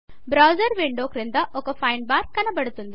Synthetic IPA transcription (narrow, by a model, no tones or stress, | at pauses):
bɾaːwd͡ʒɐɾʋiɳɖoːkɾind̪ɐʔɔkːɐpʰɐjɳbaːɾkːɐnɐbɐɽut̪und̪i